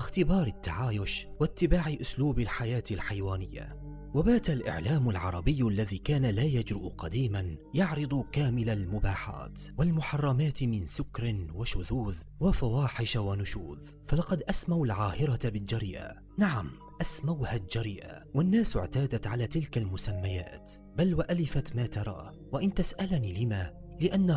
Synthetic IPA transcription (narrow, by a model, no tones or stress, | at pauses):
ʔɪxt̪ɪbɑːɾˤɪt̪ːaʕaːjʊʃwat̪ːɪbaːʕɪʔʊsluːbɪlħajaːt̪ɪlħajwaːnɪjːa̰ | wabaːt̪alʔɪ̰ʕlaːmʊlʕɑ̰ɾˤɑbɪjːʔalːaðiːkaːnalaːjad͡ʒɾɪʔqɑd̪iːmanjɑʕɾɨd̪ˤʊkaːmɪlalmʊbaːħa̰ːt̪walmʊħɑrˤːɑmaːt̪mɪnsʊkɾɪwaʃʊðuːð | wafawaːħɪʃawanʊʃuːð | falɑqɑd̪ʔasmawalʕaːhɪɾɑbɪld͡ʒaɾɪʔa̰ | naʕam | ʔasmawhald͡ʒaɾɪʔa̰wanːaːsɪ̰ʕt̪aːd̪at̪ʕalaːt̪ɪlkalmʊsamːaja̰ːt̪ | balwaʔalɪfat̪maːt̪ɑɾˤɑ̰ː | waʔɪnt̪asʔalniːlɪmaː | lɪʔanːa